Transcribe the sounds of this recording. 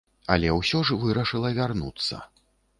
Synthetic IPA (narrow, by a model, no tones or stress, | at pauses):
ɐ̰lʲɛwsʲɔʐvɨɾɐʂɨlˠɐvʲarnṵt̪sːɐ̰